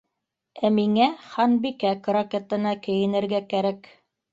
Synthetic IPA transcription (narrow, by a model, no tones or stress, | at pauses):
æmiŋæχɑnbikækrokʲet̪ɤ̆nɑkɘ̆jɘ̆nɘ̆ɾɡækæɾæk